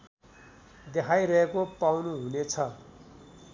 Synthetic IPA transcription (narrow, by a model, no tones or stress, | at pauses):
d̪ekʰajɾʌɦekopawnuɦunet͡sʰʌ